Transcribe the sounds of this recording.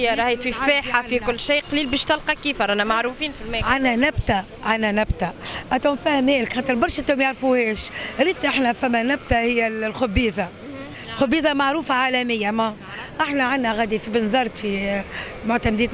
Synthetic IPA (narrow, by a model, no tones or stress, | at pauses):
ɑɾˤɑhififeːħafikʊlːʃiːqɑliːlbiːʃt̪ɑlqɑkiːfɑɾˤʔænæmaʕɾufiːnfilmɛʕanænæbt̪a | ʕanænæbt̪aʔæt̪omfæːhəmhɛːlɪkxat̪əɾbɑɾˤʃʔt̪uːmjaʕɾfuhɛːʃɾiːt̪ʔaħnæfæmːænæb̚t̪ahɪjːælxʊbːiːza | lxʊbːiːzamaʕɾuːfaʕaːlæmɪjːamæ | ʔaħnæʕanːæɣæd̪ifibɪnzɑɾˤt̪fi | mʊʕt̪æmd̪iːt̪